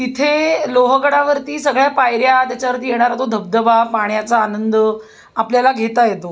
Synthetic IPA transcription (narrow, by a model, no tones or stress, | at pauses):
it̪ʰeloɦəɡəɽaʋəɾt̪iːsəɡɭjapajɾjat̪jat͡ɕaʋəɾt̪iːjeɽ̃aɾat̪od̪ʱəb̚d̪əbapaɳjat͡saːnənd̪ə | apljalaɡʱet̪ajet̪o